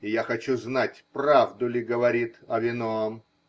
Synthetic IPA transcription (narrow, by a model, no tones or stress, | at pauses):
ɪjaxɐt͡ɕuznatʲpravd̪ʊlʲɪɡəvɐɾʲit̪ɐvʲɪnom